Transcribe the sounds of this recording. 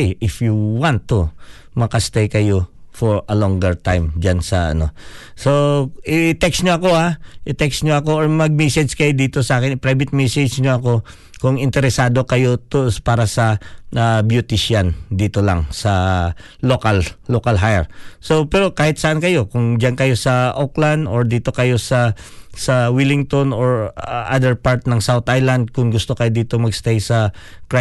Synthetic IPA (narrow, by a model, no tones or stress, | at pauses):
jʔɪfjuwant̪ːʊ | mɐkɐst̪ejkɐjofoɹɐloŋɡɛɹt̪ajmd͡ʒansɐʔɐ̰no̞soɪt̪ɛksɲoɐko̞aʔɪt̪ɛksɲoɐko̞ʔoɹmɐɡ̚mɛsɛd͡ʒkɐjod̪iːt̪osɐʔaːkɪnɪpɾajbɪt̪̚mɛsɛd͡ʒɲoʔɐko̞ | kʊŋɪnt̪ɛɾɛsaːd̪o̞kɐjo̞t̪ospaːɾɐsɐabjʊt̪ɪʃand̪iːt̪olɐ̰ŋsɐː | okallokɐlɦajɛɹso̞pɛɾo̞kaːhɪt̪̚sɐʔankɐjo̞kʊŋd͡ʒankɐjo̞sɐʔokland̪oɹd̪iːt̪o̞kɐjo̞sɐsɐwilɪŋt̪o̞noɹʔa̰d̪ɛɹpaɹt̪̚nɐŋsawt̪ʔajland̪̚kʊŋɡʊst̪o̞kɐjod̪iːt̪omɐɡst̪ajsɐpɾa